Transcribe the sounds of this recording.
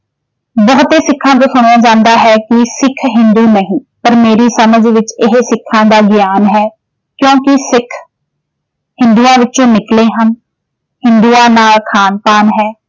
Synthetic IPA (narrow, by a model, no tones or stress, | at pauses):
bəɦt̪eːsɪkʰːãːt̪̬õːsʊɽ̃aːd͡ʒãːnd̪aːɦɛːkɪsɪkʰɦɪ̃nd̪uːnəɦĩː | pəɾmeːɾiːsəməd͡ʒʋɪt͡ʃɪɦsɪkʰːãːd̪aːɡɪjaːnɦɛː | kjõːkɪsɪkʰ | hɪ̃nd̪uːãːʋɪt͡ʃõːnɪkleːɦən | hɪ̃nd̪uːãːnaːlkʰaːnpaːnɦɛː